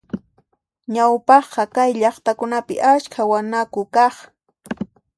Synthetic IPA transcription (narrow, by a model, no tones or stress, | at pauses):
ɲawpɑχqɑkajʎɑχt̪akʊnapɪ̰ʔaskʰawanakʊkɑχ